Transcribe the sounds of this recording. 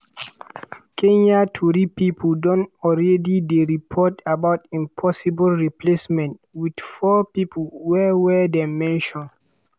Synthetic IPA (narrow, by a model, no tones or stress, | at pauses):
kʰẽɲatʰuɾipipʰldɔ̃ntɔlɹɛdideɹipʰɔtabawtĩmpʰɔsibəlɹiplesmɛ̃ntwidfɔpipʰəlwɛwɛdɛmɛ̃nʃɔ̃n